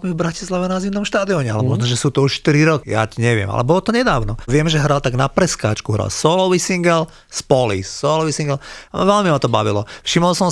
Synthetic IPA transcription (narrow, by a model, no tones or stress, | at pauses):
mivbɾacislaʋɛnazimnɔmʃt̪aːd̪iɔɲɛalɛmɔʒnɔʒɛsuːt̪ɔuʃʃt̪iɾiɾɔkija̰cɲɛʋɪɛ̰ma̰lɛbɔlɔt̪ɔɲɛd̪aːʊnɔʋɪɛmʒɛɦɾalt̪aɡnapɾɛska̰ːt͡ʃkuɦɾa̰lsɔlɔʋisiŋɡɛl | spɔlḭsːɔlɔʋisiŋɡɛlʋɛlmimat̪ɔbaʋilɔfʃimɔlsɔm